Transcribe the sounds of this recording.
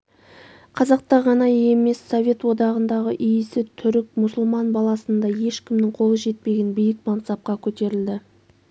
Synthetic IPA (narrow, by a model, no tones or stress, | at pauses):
qʰɑzɑq̚t̪ɑʁɑnɑje̞me̞sːo̞vʲe̞t̪wo̞d̪ɑʁənd̪ɑʁəʔʏjɪsɪt̪ʰʏɾɪk̚mʊsʊlˠmɑnbɑlˠɑsənd̪ɑje̞ʃkʲʰɪmnɪŋqʰo̞lˠəʒe̞t̪̚pe̞ɡʲenbijɪkmɑnt̪sɑp̚qɑkʲʰɵt̪e̞ɾɪld̪ɪ